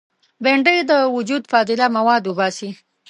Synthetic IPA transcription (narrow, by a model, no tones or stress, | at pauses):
beɳɖəjd̪əwʊd͡ʒud̪fɑt̪ɪlamawɑd̪wubɑsi